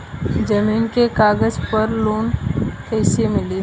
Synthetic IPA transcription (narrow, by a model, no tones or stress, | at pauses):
d͡ʒɐmiːnkekaːɡəd͡ʒpɐɾloːnkɛɪsemɪliː